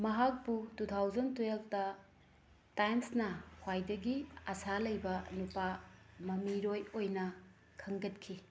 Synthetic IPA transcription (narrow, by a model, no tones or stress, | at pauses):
mɐɦak̚pututʰawzɐntueltɐ | tajnsnɐhwajdɐɡiɐsalɐjbɐnupamɐmiɾojojnɐ | kʰɐŋɡɐtkʰi